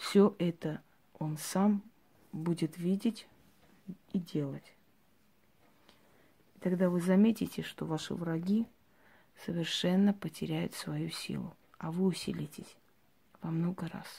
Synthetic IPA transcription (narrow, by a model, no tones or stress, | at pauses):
fsʲoʔɛt̪ə | o̞nsam | budʲɪt̪vʲidʲɪtʲ | idʲe̞lˠətʲ | it̪ɐɡd̪avɨzɐmʲetʲɪtʲɪʂt̪o̞vaʂɨ̰vrɐɡʲi | səvʲɪrʂɛnːəpətʲɪɾʲæjʊ̰t̪svɐjusʲḭlˠʊ̰ | ɐvɨʊsʲḭlʲɪtʲɪsʲ | vɐmno̞ɡəɾa̰s